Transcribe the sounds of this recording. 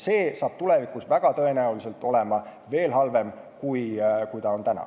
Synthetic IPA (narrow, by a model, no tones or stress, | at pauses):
se̞ːsɑːb̥̚t̪ule̞vikˑusvæɡ̥ɑt̪ɤe̞næulise̞lt̪ːˑo̞le̞mɑ | ve̞ːlɦɑlve̞m | kujkujt̪ɑo̞nt̪ænɑ̰